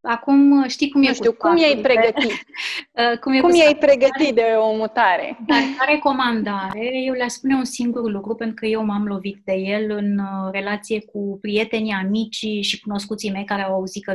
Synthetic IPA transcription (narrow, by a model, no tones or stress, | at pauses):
akumʃt̪ikumjekuikumjajpɾeɡəti | əkumjekumjajpɾeɡəit̪d̪eomut̪aɾḛd̪aaɾe̞ko̞mand̪aɾe̞je̞wleaspune̞unsiŋɡurlukɾupe̞nt̪ɾukəjewmamlo̞vit̪̚d̪e̞je̞lɨnre̞lat̪sije̞kupɾije̞t̪e̞niamit͡ʃiʃikuno̞skut̪sijme̞jkaɾeawauzit̪kə